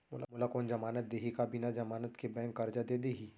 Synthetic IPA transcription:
mʊ̰la̰mʊlakoːnd͡ʒɐmaːnət̪̚d̪eːɦikabinad͡ʒɐmaːnət̪kebɛ̃ːŋkːɐɾd͡ʒad̪ed̪eːɦiː

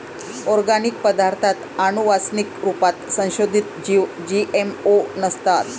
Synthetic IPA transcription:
ɔɾɡanik̚pəd̪aɾt̪ʰat̪anuʋasnikɾupat̪sə̃w̃ɕod̪ʱit̪d͡ʑiʋ | d͡ʑiʔemonəst̪at̪

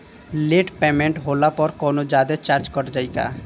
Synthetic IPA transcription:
leʈpemeɳʈɦolapɔɾkonod͡ʒad̪et͡ʃaɾd͡ʒkɔɾd͡ʒajka̰

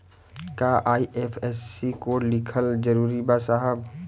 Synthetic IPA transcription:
kaʔaːiʔepʰɛsːikoːlɪkʰəld͡ʒəɾuːɾibasaɦəb

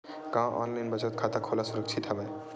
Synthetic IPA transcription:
kãʔɔ̰nlajnbət͡ʃət̪̚kʰat̪akʰolasuɾək̚t͡ʃʰit̪ɦəbəj

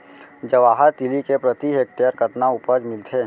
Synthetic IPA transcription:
d͡ʒəʋaːɦəɾt̪ilikepɾət̪iɦek̚ʈjəɾkət̪naʊpəd͡ʒmɪlt̪ʰeː

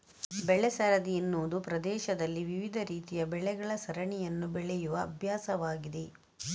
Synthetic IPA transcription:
bɛɭɛsɐɾɐd̪ijinːoːd̪upɾɐd̪ɛːʃɐd̪ɐlːiʋiʋid̪ʱɐɾiːt̪ijɐbɛɭɛɡɐɭɐsɐɾɐɳijɐnːubɛɭɛjuʋɐːbʱjaːsɐʋaːɡid̪e̞

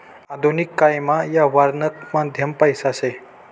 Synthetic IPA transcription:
ad̪ʱonikːajmajaʋaɾnək̚mad̪ʱjəmpajsase

